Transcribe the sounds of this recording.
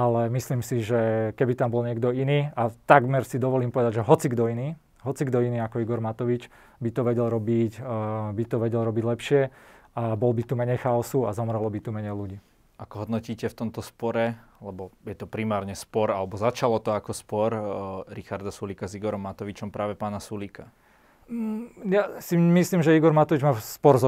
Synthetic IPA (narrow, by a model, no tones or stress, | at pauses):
alɛmisliːmsiʒɛkɛbit̪ambɔlɲɪɛɡd̪ɔiniːat̪aɡmɛɾsid̪ɔʋɔliːmpɔʋɛd̪aɟʒɛɦɔt͡siɡd̪ɔiniː | ɦɔt͡siɡd̪ɔiniːakɔiɡɔɾmat̪ɔʋit͡ʃ | bit̪ɔʋɛɟɛlɾɔbicbit̪ɔʋɛɟɛlɾɔbiɟlɛpʃɪɛ | abɔlbit̪umɛɲɛjxaɔsuazɔmɾɛlɔbit̪umɛɲɛjluɟiː | akɔɦɔd̪nɔciːcɛft̪ɔmt̪ɔspɔɾɛlɛbɔjɛt̪ɔpɾimaːɾɲɛspɔɾalɛbɔzat͡ʃalɔt̪ɔakɔspɔɾɾixaɾd̪asuliːkaziɡɔɾɔmːat̪ɔʋit͡ʃɔmpɾaːʋɛpaːnasulikʰa | jasimislimʒɛiɡɔɾmat̪ɔʋid͡ʒmaːspɔɾzɔ